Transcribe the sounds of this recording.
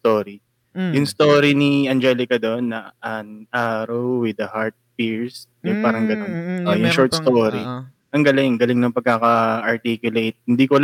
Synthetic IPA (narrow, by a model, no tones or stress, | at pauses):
t̪oːɾi | jʊŋst̪oːɾiniɐnd͡ʒɛlɪkɐd̪o̞nːɐʔɐnʔaːɾɐwwɪd̪ɐhaɹt̪̚fiɹsnɛpaːɾɐŋɡɐnonojʊŋʃɔɹt̪̚st̪oːɾi | ʔɐŋɡɐlɪŋɡɐlɪŋnɐŋpɐɡ̚kaːkɐʔɐɹt̪ikjʊlejt̪̚hɪnd̪iːkol